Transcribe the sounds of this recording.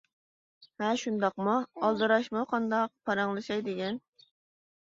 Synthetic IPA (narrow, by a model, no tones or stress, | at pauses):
hɛʃund̪ɑqmuɑlˠd̪ɨɾɑʃmʊqʰɑnd̪ɑq̚pʰɑɾɑŋlˠɨʃɑjd̪ɪɡʲɛn